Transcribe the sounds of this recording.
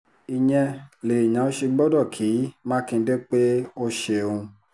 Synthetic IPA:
i˨ɲɛ̃˧le˨i˨jã˨˦o˦ʃe˧ɡ͡bɔ˦dɔ˦˨kʰiː˨˦mã˦kĩ˧˦de˦k͡pe˦o˦ʃe˧˨õ˧

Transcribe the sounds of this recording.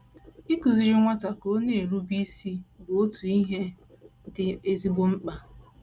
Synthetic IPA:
i˦ku˨zi˨ɾɪ˦ŋʷa˦ta˨ko˦ne˦˨e˨ɾu˦bi˦si˦bʊ˨o˦tu˨i˦ɦe˦ | dɪ˨e˨zi˦bo˦ŋ͡m̩˦k͡pa˨

